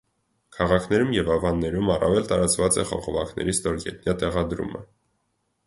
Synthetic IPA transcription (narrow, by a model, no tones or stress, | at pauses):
kʰɑʁɑkʰnɛɾumjɛvɑvɑnːɛɾumɑrɑ̰vɛlt̪ɑɾɑt͡svɑt͡sɛ̰χɔ̰ʁɔvɑkʰnɛ̰ɾist̪ɔɾɡɛ̰t̪njɑt̪ɛʁɑd̪ɾṵmə̰